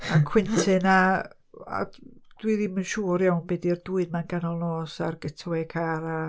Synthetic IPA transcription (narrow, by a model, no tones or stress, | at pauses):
akʰw̥ɪntʰɪna | a̰d̥wiðimənʃuːɾjawnbɛdird̥uɨdmanɡanɔlˠnɔːsa̰rɡ̥ətʰwɛkʰaɾa